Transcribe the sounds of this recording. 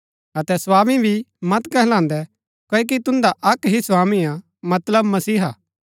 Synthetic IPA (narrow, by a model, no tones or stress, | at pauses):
ɐt̪ɛswaːmibʱimɐt̪kɐɦlãːnd̪ɛ | koːek̬it̪ʊ̃nd̪aʔɐkɦiswaːmĩã | mɐt̪ləbmɐsiːɦaː